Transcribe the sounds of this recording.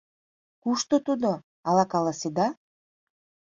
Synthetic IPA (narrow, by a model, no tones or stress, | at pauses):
kuʃt̪ot̪ud̪o | ɑlɑkɑlˠasid̪ɑ